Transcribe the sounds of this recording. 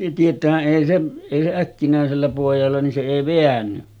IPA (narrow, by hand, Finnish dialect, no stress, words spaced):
tietˑæːhæʔ ʔeˑi se eˑi se ækːinæˑeselːæ poˑijɑlːɑ nin se eˑi ʋeænːy